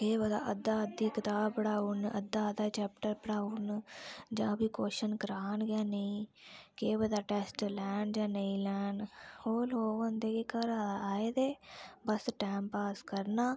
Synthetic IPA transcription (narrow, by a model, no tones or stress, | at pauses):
keːbəd̪a̰ːʔəd̪aːəd̪iːkɪt̪aːbpəɽaːʊnə̰d̪aːəd̪aːt͡ʃɛːp̚ʈəɾpəɽaːʊnd͡ʒãːbiːkoːʃənkəɾaːnɡjaːnəĩːkeːbəd̪aːʈɛːsʈlɛːnd͡ʒãːnəĩːlɛːnhoːloːɡɦə̃nd̪eːkekəɾaaːeːd̪eːbəsʈɛːmpaːskəɾnaː